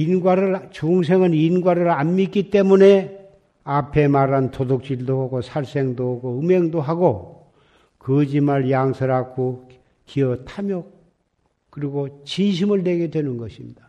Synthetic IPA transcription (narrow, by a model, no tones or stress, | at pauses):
inɡwaɾɯɾt͡ɕuŋsʰe̞ŋɯninɡwaɾɯɾanmik͈it͈e̞mune̞ | apʰe̞maɾantodok̚t͡ɕ͈iɭdoɦaɡosʰaɭs͈e̞ŋdoɡoɯme̞ŋdoɦaɡo | kɯd͡ʑimaɾjaŋsʰɯɾakʰo | kiʌtʰamjʌk̚ | k͈ːɯɾiɡot͡ɕinɕ̬ʰimɯɭːe̞ɡe̞dwe̞nɯnɡʌɕʰimɲida